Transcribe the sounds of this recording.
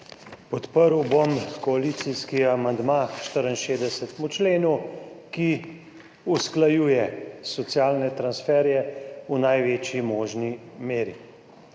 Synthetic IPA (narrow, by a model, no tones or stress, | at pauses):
pɔt̪pəɾwbomkɔalit̪siskiamand̪maʃt̪əɾənʃeːd̪ɛsɛt̪mut͡ʃleːnuki | usklajuːjɛsɔt̪sjaːlnɛt̪ɾansfɛːɾjɛunajʋeːt͡ʃjimɔːʒnimeːɾi